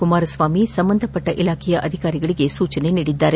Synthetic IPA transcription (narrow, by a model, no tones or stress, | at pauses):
kumaːɾɐsʋaːmisɐmbɐnd̪ʱɐpːɐʈːɐʔilaːkʰɛjɐʔɐd̪ʱikaːɾiɡɐɭiɡe̞suːt͡ʃɐne̞niːɽid̪ːaːɾe